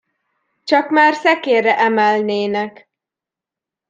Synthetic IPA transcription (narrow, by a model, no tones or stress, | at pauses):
t͡ʃɒkmaːrsɛkeːrɛʔɛmɛlneːnɛk